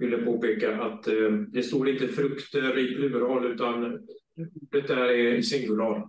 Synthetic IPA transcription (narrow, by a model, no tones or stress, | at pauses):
vɪlːəpʰoːpeːkaʔat̪d̪ɛst̪oːd̪ɪnt̪əfɾɵkt̪əɾiːplʉ̟ːɾhɔlːʉ̟ːt̪an | uːɖət̪̚d̪æːɾɪsɪŋɡɵlɑːɾ